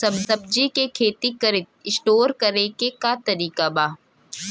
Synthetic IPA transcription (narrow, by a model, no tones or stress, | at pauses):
sɐbsɐb̚d͡ʒikekʰeːt̪ikɐɾɪt̪̚ɪsʈoːɾkɐɾekekat̪ɐɾiːkabaː